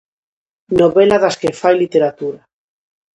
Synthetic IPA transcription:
noβelaðaskefajlit̪eɾat̪uɾa

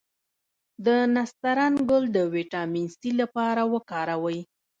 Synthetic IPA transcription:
d̪ənast̪aɾɑnɡʊld̪əweʈɑminst̪ilapɑɾawəkɑɾawəj

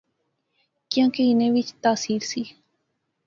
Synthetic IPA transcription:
kiãŋkeinẽwit͡ʃt̪asiɾsi

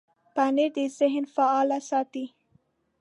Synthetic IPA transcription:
paned̪əzɪɦnfaɑlasɑt̪i

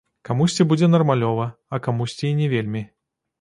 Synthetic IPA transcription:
kamusʲt͡sʲɛbud͡zʲɛnɐrmalʲɔvɐɐkamusʲt͡sʲiinʲɛvʲelʲmʲi

